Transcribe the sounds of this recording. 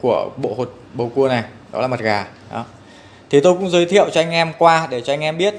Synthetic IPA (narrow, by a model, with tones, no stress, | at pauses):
ku˧˩əɓo̰˧˨ho˨˩t̚ɓə˨˩wku˧əna˨˩jɗɔ̰˨˦laː˨˩mə˨˩t̚ɣaː˨˩ | ɗɔ̰˨˦ | t̪ʰi˨˩t̪o˧jkʊ̰˧˥ŋ͡mzəː˨˦jt̪ʰḭ˧˨əwt͡ɕɔ˧ʔa˧jŋ̟ʔɛ˧mkwaː˧ɗe˧˩t͡ɕɔ˧a˧jŋ̟ʔɛ˧mɓi˦˥ət̚